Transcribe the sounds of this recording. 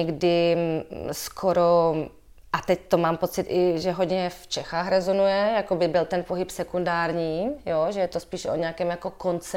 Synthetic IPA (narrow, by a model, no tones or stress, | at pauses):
ɛɡdɪ | skʰoɾo | ʔat̪ɛc̚t̪omaːmpo̞t͡sɪt̪ʔɪʒɛɦoɟɲɛft͡ʃɛxaːxɾɛzonujɛjakobɪbɪlt̪ɛnpoɦɪpsɛkundaːɾɲiːjoʒɛjɛt̪ospiːʃʔoɲɛakɛːmjako̞kont͡sɛ